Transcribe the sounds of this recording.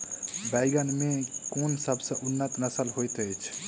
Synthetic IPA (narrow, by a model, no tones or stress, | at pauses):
baɪɡənmekonsəbʱsə̃ʔunːət̪nəsəlɦojt̪əjt͡ʃʰ